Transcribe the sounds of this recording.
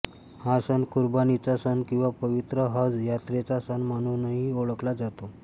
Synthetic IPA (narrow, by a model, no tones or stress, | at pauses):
hasənkuɾbanit͡sasənkĩw̃ʋapəʋit̪ɾəɦəd͡zjat̪ɾet͡sasənməñunəɦioɭəklad͡zat̪o